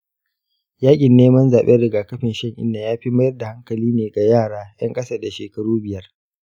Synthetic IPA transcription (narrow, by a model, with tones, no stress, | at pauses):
jaː˦kʲʼɪ˨nːeː˦mɐ˦nzaː˨ɓe˦ɽɪ˨ɡaː˨kɐ˦ɸɪ˨nʃɐ˦ŋʔɪ̰˦nːa˨jaː˦ɸi˦mɐ˦jɐ˦rda˨ha˦ŋkɐ˨liː˦neː˨ɡa˨jaː˦˨ɽaː˦j̰ɐ˦ŋkʼɐ˦sa˦da˨ʃeː˨kɐ˦ɽuː˦bɪ˨jɐ˦r